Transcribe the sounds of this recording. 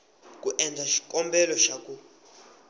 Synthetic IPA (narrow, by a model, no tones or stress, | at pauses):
kʼuʔɛnd͡zʱaʃi̥kʼɔmbʱɛlɔʃakʼu